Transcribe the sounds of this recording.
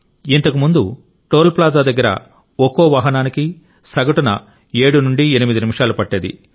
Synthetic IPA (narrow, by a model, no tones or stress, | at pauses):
int̪ɐkumund̪u | ʈoːɾlplaːd͡zaːd̪ɐɡːɐɾɐ̰ | ɔkːoːʋaːɦɐnaːniki | sɐɡɐʈunɐ̰ | eːɽunuɳɖienimid̪inimiʂaːlupɐʈːeːd̪ḭ